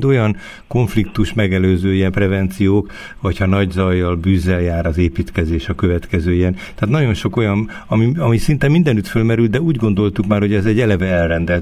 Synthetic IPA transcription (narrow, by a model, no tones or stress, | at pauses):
d̪o̞jɒn | ko̞ɱflikt̪uʃmɛɡɛløːzøːijɛmprɛvɛnt̪sijoːk | ʋɒchɒnɒɟzɒjːɒlbyzːɛljaːɾɒzeːpiːt̪kɛzeːʃɒkø̞vɛt̪kɛzøːijɛnt̪aːt̪nɒɟo̞nʃo̞ko̞jɒn | ɒmiɒmisint̪ɛmːind̪ɛnyt̪følmɛɾyld̪d̪ɛuːɟɡo̞nd̪o̞lt̪ukmaːrho̞ɟɛzɛɟːɛlɛvɛɛlrɛnd̪ɛ